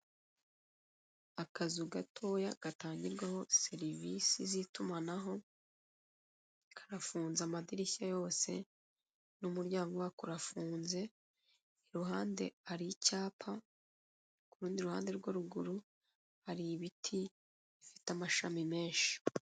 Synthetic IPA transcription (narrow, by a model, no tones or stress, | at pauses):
akazuɡatʰo̞ːjaɡ̥ataːɲɟiɾɡwaho̞se̞ɾivisizitumanaɦo̞ | kʰḁɾafuːnzamadiɾiçajo̞ːse̞ | numuɾɟaːŋɡowakuɾafuːnze̞ | iɾuɦaːnde̞̰aɾicaːpʰa | kuɾuːndiɾuha̰ːnde̞ɾɡwaɾuɡuɾu | haɾiβitʰi | ifi̥tamaʃamime̞ːnʃi̥